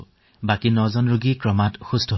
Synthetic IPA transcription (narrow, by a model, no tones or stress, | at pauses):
bakinɔzɔnɹuɡikɹɔmatxustʰɔ